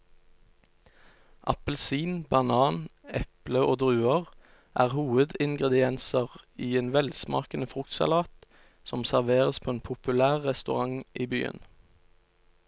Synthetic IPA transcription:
ʔɑpəl̩siːnbɑnɑːnɛpləʔoːd̪ʁʉːəʁ | ʔæːʁhuːəd̪ɪŋɡʁɛd̪ɪɛnsəʁiːeːnʋɛlsmɑ̰ːkənəfʁʊkt̪sɑ̰lɑːt̪ | sɔmsæʁʋeːʁəspʰoːeːnpʰʊpʉlæːʁːɛst̪ʉʁɑŋʔiːby̰ːə̰n

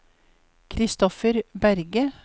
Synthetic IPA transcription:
kʰɾɪst̪ɔfəɾbæɾɡə

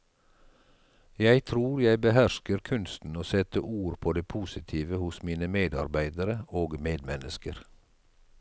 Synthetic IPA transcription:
jæɪt̪ʰɾuːɾjæɪbəhæʃkəɾkʰʉnst̪n̩oːsɛt̪əʔuːɾpʰoːd̪eːpʰuːsɪt̪ʰiːʋəhʊsmiːnəmeːd̪ɑ̰ɾbæɪd̪əɾəoːɡmeːd̪mɛnəskəɾ

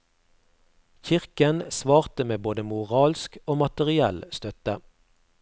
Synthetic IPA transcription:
çɪʁkənsʋɑːʁt̪əmeːboːd̪əmʊʁɑːlskoːmɑt̪əʁɪɛ̰lst̪œt̪ə

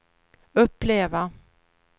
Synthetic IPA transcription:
ɵpːleːva

